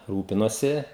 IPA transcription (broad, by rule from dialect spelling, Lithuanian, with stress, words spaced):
ˈruːpʲɪnuɔsʲɪ